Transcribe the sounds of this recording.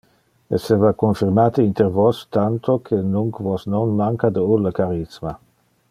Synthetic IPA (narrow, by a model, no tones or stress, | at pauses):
ɛ̰seːvakonfiɾmaːt̪əint̪eɾvost̪ant̪okʰenuŋkvosnonmaŋkad̪əulːəkaɾisma